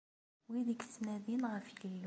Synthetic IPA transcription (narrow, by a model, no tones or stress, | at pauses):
wiðəɡsnæðinʁəfjəlː